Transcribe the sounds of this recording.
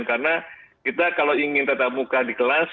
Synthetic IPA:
nkarənakit̪akaloiŋɪnt̪at̪ap̚mukadikəlas

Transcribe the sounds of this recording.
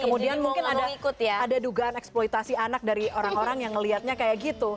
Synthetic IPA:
kəmudianmuŋkɪnadaikʊt̪jaadaduɡaʔanɛksplojt̪asianak̚daɾioɾaŋoɾaŋjaŋːəliɦat̪̚ɲakajaʔɡit̪u

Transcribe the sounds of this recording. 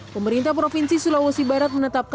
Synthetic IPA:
pəməɾint̪ahpɾofinsisulawosibaɾat̪̚mənət̪ap̚k

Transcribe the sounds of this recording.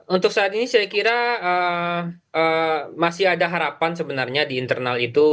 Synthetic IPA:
unt̪ʊk̚saːt̪inisajakiɾaə | əmasɪɦadaɦaɾapansəbənarɲadiːnt̪ərnalit̪u

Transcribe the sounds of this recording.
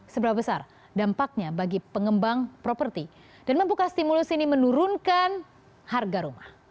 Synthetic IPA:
səbəɾapabəsar | dampak̚ɲabaɡipəŋəmbaŋpɾopərt̪i | d̥anməmpukast̪imulusinimənuɾunkan | harɡaɾumah

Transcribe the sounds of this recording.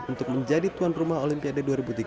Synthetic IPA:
unt̪ʊk̚məɲd͡ʒadit̪uanrumaɦolimpiadaduaɾibut̪iɡ

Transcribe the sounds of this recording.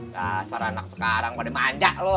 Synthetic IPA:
jasaɾanak̚sə̥kaɾaŋpadimaɲd͡ʒaʔlo

